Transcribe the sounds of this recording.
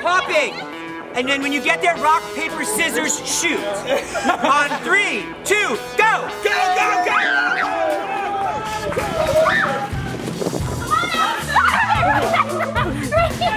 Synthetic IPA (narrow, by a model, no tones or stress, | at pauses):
pʰɑpɪ̃ŋ | ɨ̃nðɨ̃nwɨ̃njɨɡɛt̪̚ðə˞ɹɑk̚pʰeɪpə˞sɪzə˞z̥ʃʉts | ə̃nθɹi | tʰʉɡ̥oʊɡ̥oʊɡoʊɡo